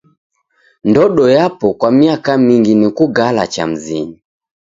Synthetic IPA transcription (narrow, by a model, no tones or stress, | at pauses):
ndɔɗɔjapɔkwamiakamiŋɡinikuɡalat͡ʃa̰m̩ziɲi